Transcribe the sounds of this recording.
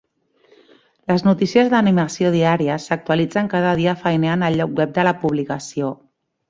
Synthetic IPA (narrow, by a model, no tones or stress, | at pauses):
ləznut̪isiəzðəniməsioðiaɾiəsək̚t̪uəlid͡zəŋkaðəð̞iəfəjneanəlʎːɔk̚wɛp̚d̪ələpuβ̞likəsio